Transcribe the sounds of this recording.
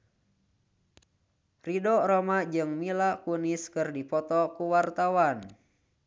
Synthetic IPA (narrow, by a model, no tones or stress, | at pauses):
ridɔɾɔmad͡ʒɨŋmilakuniskɨrdipɔt̪ɔkuwart̪awan